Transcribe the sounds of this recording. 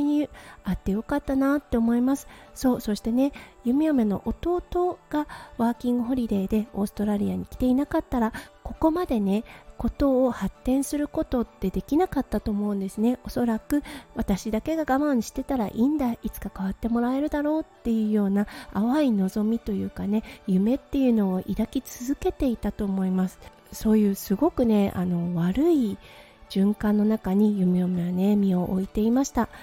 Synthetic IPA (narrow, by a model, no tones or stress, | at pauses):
iɲiat̪ːe̞jo̞kat̪ːanat̪ːe̞omo̞imasɨ̥so̞ːso̞ɕi̥t̪e̞ne̞jɯ̟mʲiome̞no̞̰ʔot̪o̞t̪o̞ɡ̥aβaːkʲĩŋɡɯ̟ɦo̞ɾʲiɾe̞ːd̪e̞o̞ːsɨ̥t̪o̞ɾaɾʲiaɲ̟ikʲi̥t̪e̞inakat̪ːaɾako̞ko̞mad̪e̞ne̞ko̞t̪o̞ːhat̪ːẽ̞ɰ̃sɨɾɯ̟ko̞t̪o̞t̪ːe̞d̪e̞kʲinakat̪ːat̪oːmo̞ɯ̟̃nd̪e̞sɨne̞o̞so̞ɾakɯ̟βat̪aɕid̪ake̞ɡaɡamaɲ̟iɕi̥t̪e̞t̪aɾa̰ʔĩnd̪ait͡sɨ̥kakaβ̞at̪ːe̞mo̞ɾae̞ɾɯ̟d̪aɾo̞ːt̪ːe̞jɯ̟ːjo̞ːnaːβaino̞zo̞mʲit̪o̞jɯ̟ːkane̞jɯ̟me̞t̪ːe̞jɯ̟no̞ːʔid̪akʲit͡sɨzɨke̞t̪e̞it̪at̪o̞ːmo̞imasɨ̥ | so̞ːjɯ̟ːsɨɡo̞kɯ̟ne̞a̰no̞βaɾɯ̟i | ʑ̥ɨ̃ŋkãnːo̞nakaɲ̟ijɯmeomeβanemʲio̞ʔoit̪e̞imaɕi̥t̪a